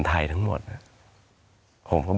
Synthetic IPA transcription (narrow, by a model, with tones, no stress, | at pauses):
nt̪ʰa˧˩jt̪ʰa˦˥ŋmo̰˨˩t̪̚na˧˩ | pʰo˨˦mkʰɔ˧˥˩